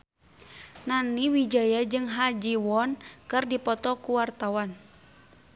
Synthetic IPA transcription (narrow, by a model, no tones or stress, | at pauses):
naniwid͡ʒajad͡ʒɨŋɦad͡ʒiwɔnkɨrdipɔt̪ɔkuwart̪awan